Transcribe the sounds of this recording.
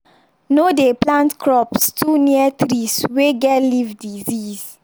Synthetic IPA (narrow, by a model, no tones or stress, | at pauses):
nodeplãntkʰɹɔpstʰuniətɹisweɡɛtlivdizis